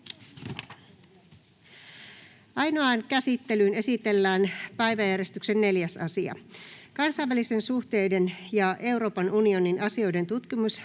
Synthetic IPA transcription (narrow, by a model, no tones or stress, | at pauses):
ʔɑjno̞ɑnkæsit̪ːe̞lyːne̞sit̪e̞lːæːnpæjʋæjæɾe̞st̪ykse̞nːe̞ljæsɑsiɑ̰kɑnsɑjʋælist̪e̞nsuht̪e̞jde̞njɑʔe̞wɾo̞ːpɑnunio̞ninʔɑsio̞jde̞nt̪ut̪kimus